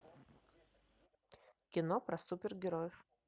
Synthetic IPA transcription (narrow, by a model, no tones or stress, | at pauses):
kʲɪnopɾɐsupʲɪrɡʲɪɾojɪf